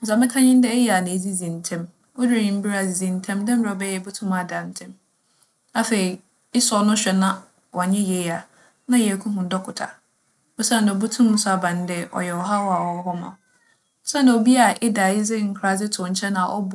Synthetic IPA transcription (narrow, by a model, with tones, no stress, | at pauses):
n̩˨za˨mɪ̃˦kʰã˦ɲɪ̃˦n˦dɛ˦jɛ˦˨a˨nã˨e˨zi˦zĩ˨n˨tʰɛ̃˦m | wɔ˦dɪ˦e˨ɲĩ˨m̩˦bi˦ɾa˨zi˨zĩ˨n˨tʰɛ̃˦mdɛ̃˦m̩˦ɾa˨ɔ˨bɛ˦jɛ˨˦bu˦tʰũ˦ma˨dã˨n̩˨˦tʰɛ̃˦m | a˨fe˨ɾi˨ | ɪ˦sɔ˦nʊ̃˦ɕᶣɛ˨nã˦ | wɔ˨ɲɪ̃˦je˨˦a˨ | nã˦jkʰũ˦ɦʊ̃˨˦dɔ˦kʰʊ˨tʰa̰˨ | ɔ˦sã˦n̩˨dɛ˨ɔ˨bu˦tʰũ˦mʊ̃˦sʊ˦a˨bã˨n˦dɛ˦ʔɔ̰˨jɛ˨wɔ˨ɦa˦wɔ˦a˨wɔ˨˦ɦɔ˦mã̰˨˦ | sã˦n˦da˨o˨bi˦a˨ʔɪ˦da˨jɪ˦zɪ˦˨ŋ̩˨kʰɾa˨zɪ˦tʰʊ˨ɲ̩˨t͡ɕʰɛ˦nã˨ʔɔ̰˦b